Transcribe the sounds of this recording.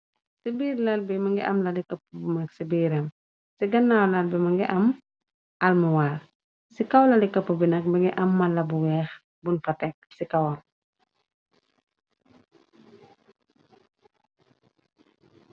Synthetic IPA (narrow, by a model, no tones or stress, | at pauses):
sibiːɾlɐlbimɐŋɡiʔɐmlɐlikɐpːubumɐksibiːɾɐm | siɡɐnːawlɐlbimɐŋɡiʔɐm | ʔɐlmɐwaːr | sikɐwlɐlikɐpːubinɐk̚mɐŋɡiʔɐmːɐlɐbuwɛːx | bunfɐtɛk̚sikɐwɐ